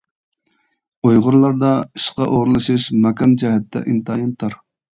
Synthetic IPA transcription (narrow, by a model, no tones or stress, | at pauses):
ujʁʊɾlˠɑɾd̪ɑiʃqɑʔoʁɾɨlˠɨʃɨʃmɛkɑnd͡ʒɛɦɛt̪ʰːɛ̰ʔint̪ʰɑːjɑnt̪ʰɑɾ